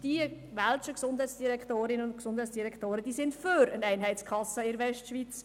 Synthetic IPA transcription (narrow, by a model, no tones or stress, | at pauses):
d̥iə | ʋalt͡ʃəksʊnd̥hɛɪt͡ssd̥iɾɛktoːɾɪnəʊntksʊnd̥hɛɪt͡ssd̥iɾɛkʰtoːɾəd̥iːsɪntføɾənæɪnɦɛɪt͡skʰχɑsəɪɾʋɛʃtʃʋit͡s